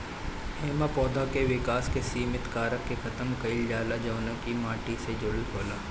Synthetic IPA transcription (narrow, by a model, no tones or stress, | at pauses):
ɛːmapɔːd̪ʱakeʋɪkaːskesiːmɪt̪kaːɾəkːekʰɐt̪əmkɐɪld͡ʒaːlad͡ʒɐːnəkimãːʈised͡ʒʊlkoːlaː